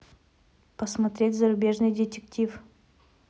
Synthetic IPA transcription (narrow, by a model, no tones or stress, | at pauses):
pəsmɐt̪ɾʲetʲzəɾʊbʲe̞ʐnɨjdʲɪtʲɪktʲif